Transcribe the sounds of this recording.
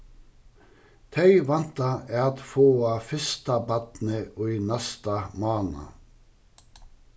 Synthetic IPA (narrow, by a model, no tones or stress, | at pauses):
t̪ʰœʏʋɑnt̪ɑæːɑt̪foːɑːfɪst̪ɑbɑt̪n̩əʔoːiːnæst̪ɑmɑːnɑ̰